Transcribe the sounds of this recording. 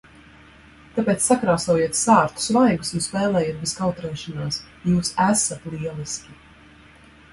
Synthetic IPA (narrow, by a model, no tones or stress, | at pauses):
k̪apeːt̪sːakɾaːsɔjiɛt̪saːɾt̪u̥svajɡusjuspɛːlˠɛːjet̪̚bɛskawt̪ɾɛːʃɔnaːs | juːsæsat̪lˠiɛlˠiskʲi